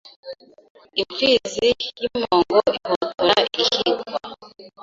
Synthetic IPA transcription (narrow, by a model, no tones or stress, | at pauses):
iɱfiːzijimoːŋɡoihotuɾaihiɡwa